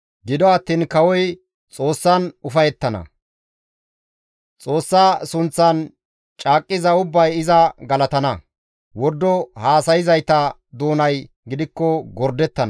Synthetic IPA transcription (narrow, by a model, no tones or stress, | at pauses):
ɡɪd̪ɔɐt̪ːiːnkɐwɔj | t͡sʼo̞ːsːɐnʊfɐjɛt̪ːɐnɐ̰ | t͡sʼo̞ːsːaːsʊnt͡sːɐn | t͡ʃʼaːkʼːɪzɐʊbːɐjɪzɐɡɐlɐt̪ɐnɐ | wɔɾd̪ːɔhaːsɐjɪzɐjt̪ɐ | d̪oːnɐj | ɡɪd̪ɪkːɔɡɔɾd̪ɛt̪ːɐn